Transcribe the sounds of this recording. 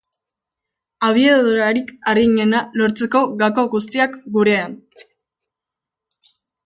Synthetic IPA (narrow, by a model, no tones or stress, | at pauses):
aβ̞ieðoɾaɾikarɣiɲe̞nalo̞ɾt͡se̞ko̞ɣako̞ɣust̪iakɡuɾe̞an